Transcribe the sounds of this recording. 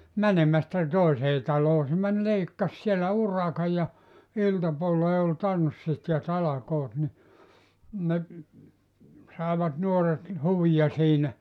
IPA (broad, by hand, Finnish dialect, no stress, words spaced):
mænemæstæ toˑeseː tɑloː se mæn leikːɑs sielːæ urɑkɑj jɑ iltɑpuolːeː ol tɑnsːit jɑ tɑlɑkoːt ni ne sɑˑeʋɑt nuoret huʋijɑ siːnæ